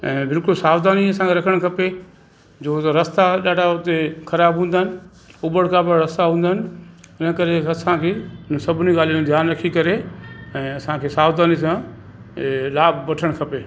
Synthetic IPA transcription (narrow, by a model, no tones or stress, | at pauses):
ɛ̃ːbɪlkʊlsaːʋd̪aːniɐsãkʰeɾɐkʰəɽ̃kʰɐpe | d͡ʑoːt̪ɐɾɐst̪aɗaːɖ̤ʱaʊt̪ekʰɐɾaːbɦũːnd̪aːɦɪnɪ̆ | ʊbəɽkʰabəɾɐst̪aɦũːnd̪aɦɪnɪ̆ɪnəkɐɾeɐsãkʰeːnəsɐbʱɪniɡaːliũd̪ʱjaːnɾɐkʰikɐɾeɛ̃ːɐsãkʰeːsaːbd̪aːnis̬ã | laːbːɐʈʰəɽ̃kʰɐpeː